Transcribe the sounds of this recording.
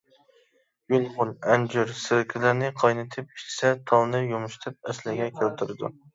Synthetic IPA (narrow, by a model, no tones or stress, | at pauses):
julˠʁʊnænd͡ʒyɾsɪɾkʲʰɪlɪɾnɪqʰɑjnɨt̪ʰɪp̚ʰi̥t͡ʃsɛt̪ʰɑlˠnɨjumʊʃt̪ʰɪp̚ɛslɪɡʲɛkʲʰælt̪ʰɪɾɪd̪ṵ